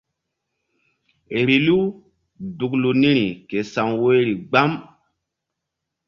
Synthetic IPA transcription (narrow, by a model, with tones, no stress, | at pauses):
e˨ɾi˨lu˦ | du˨klu˨ni˦ɾi˨ke˨sa˨ŋwe˦ɾi˨ɡ͡ba˦m